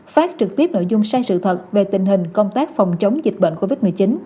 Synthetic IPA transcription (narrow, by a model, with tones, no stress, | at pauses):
faː˦˥t̚t͡ɕɨ˨˩k̚t̪i˦˥əp̚no̰˧˨jzʊ˧ŋ͡msaː˧jsɨ̰˧˨t̪ʰə˨˩t̚ve˨˩t̪ï˨˩ŋ̟ɦï˨˩ŋ̟kə˧wŋ͡mt̪aː˦˥k̚fa˨˩wŋ͡mt͡ɕə˨˦wŋ͡mzi˨˩k̚ɓə̰˧˨n̟ko˧vi˦˥t̚m˨˩əjt͡ɕi˨˦n